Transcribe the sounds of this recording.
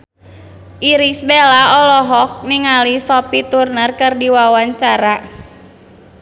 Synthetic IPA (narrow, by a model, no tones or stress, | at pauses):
ʔiɾisbelaɔlɔɦɔk̚niŋalisɔpit̪urnərkɨrdiwawaɲt͡ʃaɾa